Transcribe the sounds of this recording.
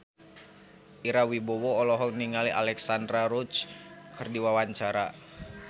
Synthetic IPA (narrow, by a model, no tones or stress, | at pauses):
ʔiɾawibɔwɔːlɔɦɔkniŋaliʔa̰lɛksandɾaɾut͡ʃkʰɨrdiwawaɲt͡ʃaɾa